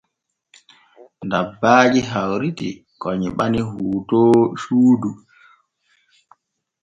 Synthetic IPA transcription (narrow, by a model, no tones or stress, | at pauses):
ndabːaːd͡ʒiɦawɾitḭ | kɔɲiɓanihuːtɔːʃuːdu